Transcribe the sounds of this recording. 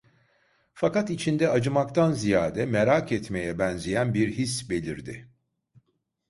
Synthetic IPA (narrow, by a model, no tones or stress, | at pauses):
fakat̪it͡ʃʰind̪ɛad͡ʒɯmak̚t̪anzijaːd̪ɛmeɾakɛt̪me̞jɛbɛnzejænbiɾɦisbe̞lʲiɾd̪ɪ̰